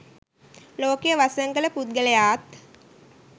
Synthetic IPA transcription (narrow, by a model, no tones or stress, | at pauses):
loːkejəʋasəŋɡələput̪̚ɡələjaːt̪